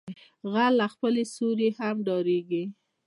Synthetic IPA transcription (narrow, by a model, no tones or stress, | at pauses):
ɣalːaxpəlesoɾehamɖɑɾeɡi